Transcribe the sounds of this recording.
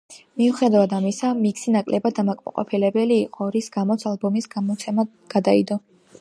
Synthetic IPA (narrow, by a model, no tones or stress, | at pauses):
miuχɛd̪avad̪amisamiksinakʼlʔɛbad̪amakʼma̰qʼɔ̰pʰilɛbɛliːqʼɔɾisɡamɔt̪sʰalbɔmisɡamɔt̪sʰɛma | ɡ̥ad̪aḭd̪ɔ